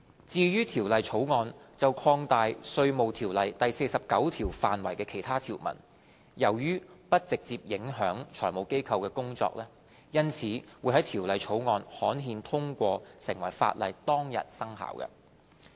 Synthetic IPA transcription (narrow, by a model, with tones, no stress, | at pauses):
t͡siː˧jyː˥t̪ʰiː˨˩wlɐ˨jt͡ʃʰo˨˥wŋɔː˧nt͡sɐ˨wkʰɔː˧ŋt̪aː˨jsɵ˧ɥmo˨˧wt̪ʰiː˨˩wlɐ˨jt̪ɐ˨jse˧jsɐ˨p̚kɐ˨˥wt̪ʰiː˨˩wfaː˨nwɐ˨˩jkɛː˧kʰe˨˩jt̪ʰaː˥t̪ʰiː˨˩wmɐ̰˨˩n | jɐ˨˩wjyː˥pɐ˥t̚t͡sɪ˨k̚t͡siː˧p̚jɪ˨˥ŋɦœː˨˥ŋt͡ʃʰɔ̰ː˨˩jmo˨˧wke˥jkʰɐ˧wkɛː˧kʊ˥ŋt͡sɔ̰ː˧k̚lɛː˥ | jɐ˥nt͡sʰiː˨˥wuː˨˧jɦɐ˨˥jt̪ʰiː˨˩wlɐ˨jt͡ʃʰo˨˥wŋɔː˧nhɔː˨˥nɦiː˧nt̪ʰʊ˥ŋkʷɔː˧sɪ˨˩ŋwɐ˨˩jfa̰ː˧t̚lɐ̰˨jt̪ɔː˥ŋjɐ̰˨t̚sɐ˥ŋha̰ː˨˩wkɐ̰˧